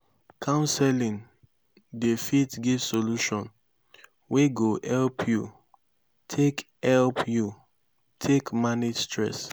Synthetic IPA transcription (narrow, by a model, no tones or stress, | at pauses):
kʰãʊ̃nsɛlĩn | defitɡivsoluʃɔ̃n | weɡohɛlpʰju | tʰekhɛlpju | tʰekmanistɹɛ̰s